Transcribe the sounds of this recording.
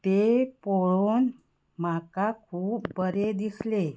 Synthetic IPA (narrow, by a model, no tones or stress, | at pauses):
t̪epoɭon | makakʰuːpbəɾed̪isle